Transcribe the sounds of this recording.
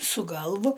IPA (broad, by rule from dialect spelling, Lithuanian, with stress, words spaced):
sʊ ˈɡɐlˠʋʊ